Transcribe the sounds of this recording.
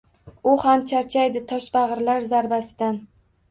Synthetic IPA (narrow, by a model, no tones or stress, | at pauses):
ʊhamt͡ʃʰaɾt͡ʃʰajd̪ɪt̪ʰɒʃbaʁɨɾlaɾzaɾbasɪd̪an